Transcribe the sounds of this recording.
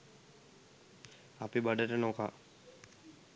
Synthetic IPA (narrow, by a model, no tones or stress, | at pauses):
apibaɖəʈənoka